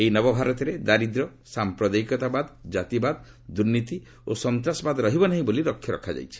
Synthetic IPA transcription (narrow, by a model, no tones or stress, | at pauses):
ejnɔbɔbʱaɾɔt̪iɾed̪aɾid̪ɾɔsampɾɔd̪ajkɔt̪abad̪d͡ʒat̪ibad̪ | d̪uɾnit̪i | osɔnt̪ɾasɔbad̪ɾɔɦibɔnaɦĩboliɾɔkʰːjɔɾɔkʰad͡ʒa̰jt͡ʃʰi̥